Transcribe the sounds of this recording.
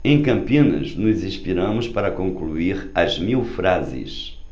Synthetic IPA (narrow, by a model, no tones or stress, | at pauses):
ẽj̃kɐ̃mpionɐ̰ʃnuzĩʃpiɾɐ̃mʊʃpɐɾɐkõŋklˠuiɾɐʒmiwˠfɾazɪ̰ʃ